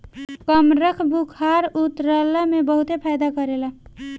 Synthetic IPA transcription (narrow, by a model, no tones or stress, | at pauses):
kəmɾəkʰbukʰaɾut̪ɾələmebəɦut̪epʰajd̪akəɾela